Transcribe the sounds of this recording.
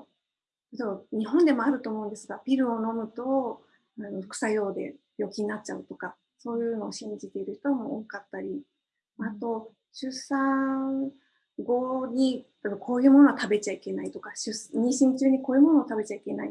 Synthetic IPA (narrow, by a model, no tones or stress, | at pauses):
t̪oɲ̟iɦõ̞nd̪e̞mo̞aɾɯ̟t̪o̞ːmo̞ɯ̟nd̪e̞sɨɡapʲiɾɯ̟o̞no̞mɯ̟t̪o̞ | ano̞kɯ̟̥sajo̞ːd̪e̞̰bʲjo̞kʲiɲ̟nat͡ɕ̚t͡ɕaɯ̟t̪o̞ka | so̞ːjɯ̟ːno̞ːɕĩɲ̟d͡ʑit̪e̞iɾɯ̟çi̥t̪o̞βamo̞ːkat̪ːaɾʲi | at̪o̞ | ɕɨsã | ɡo̞ɲ̟it̪ab̪okʰo̞ːjɯ̟ːmo̞no̞at̪abe̞t͡ɕaike̞nait̪o̞kaɕɨsɲ̟ĩɕĩɲt͡ɕɨːɲ̟iko̞ːjɯ̟mo̞no̞ːt̪abe̞t͡ɕaike̞nai